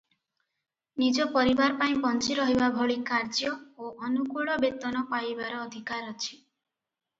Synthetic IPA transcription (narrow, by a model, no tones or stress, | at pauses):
nid͡ʒɔpɔɾibaɾpaĩpɔnt͡ʃiɾɔɦibabʱɔɭikaɾd͡ʒjɔoʔɔnukuɭɔbet̪ɔnɔpajbaɾɔːd̪ʱikaɾɔt͡ʃʰi̥